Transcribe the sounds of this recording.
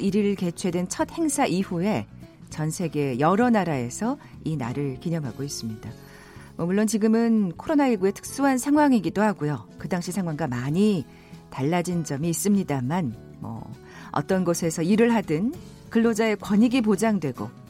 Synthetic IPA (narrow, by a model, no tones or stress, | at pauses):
iɾiɾɯɭke̞t͡ɕʰwe̞dwent͡ɕʰʌt̚he̞ŋsʰaʔiɸue̞ | t͡ɕʌnsʰe̞ɡe̞jʌɾʌnaɾae̞sʰʌ | inaɾɯɭkiɲʌmɦaɡois͈ɯmɲida | mʌmuɭːont͡ɕiɡɯmɯnkʰoɾonaiɭɡue̞tʰɯ̥k̚s͈uɦansʰaŋwaŋiɡidohaɡujokɯdaŋɕʰisʰaŋwaŋɡamaɲi | taɭːad͡ʑind͡ʑʌmiːs͈ɯmɲidaman | mʌ̰ | ʌ̰t͈ʌnɡʌsʰe̞sʰʌiɾɯɭɦadɯn | kɯɭːod͡ʑae̞kwʌɲiɡip̬od͡ʑaŋdwe̞ɡo̰